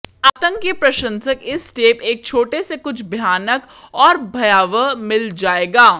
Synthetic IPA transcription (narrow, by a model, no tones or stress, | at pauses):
aːt̪ə̃ŋkjəpɾɐʃə̃nsəkɪsːʈeːpeːk̚t͡ʃʰoːʈesekʊt͡ʃʰbʱjaːnək | ɔːɾbʱɐjaːʋəmɪld͡ʒaːeːɡaː